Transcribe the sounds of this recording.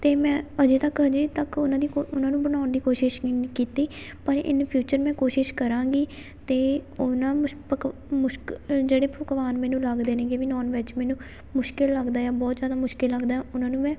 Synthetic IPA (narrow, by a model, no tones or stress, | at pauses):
t̪eːmɛ̃ːəd͡ʒeːt̪əkəd͡ʒeːt̪əkʊnãːd̪iːoʊnãːnũːbənaːʊnd̪iːkoːʃɪʃkiːt̪iː | pəɾɪ̰npʰjuːt͡ʃəɾmɛ̃ːkoːʃɪʃkəɾãːɡiː | t̪eːʊnãːpmʊʃd͡ʒeːɽeːpəkʋaːnmɛːnũːləɡd̪eːneːɡeːʋinɔːnʋɪt͡ʃmɛ̃ːnũː | mʊʃkɪlːəɡd̪aːɛːbɔːt̪zjaːd̪aːmʊʃkɪlːəɡd̪aːɛːʊnãːnũːmɛ̃ː